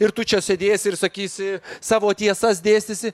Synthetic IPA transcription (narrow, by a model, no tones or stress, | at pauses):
ɪɾt̪ʊt͡ʃʲɛsʲed̪ʲeːsʲɪrsɐkʲiːsʲɪsɑːʋoːt̪ʲiɛsɐsʲd̪ʲeːsʲt̪ʲɪsʲɪ